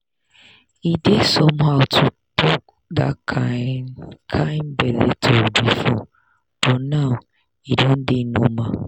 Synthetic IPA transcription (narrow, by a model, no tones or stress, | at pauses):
idesɔmhaʊtʰu | tʰɔk | ða̰ | kʰãɪnbɛðḛtʰobifɔ | b̥ɔnaʊ | idon̩dɪnomã̰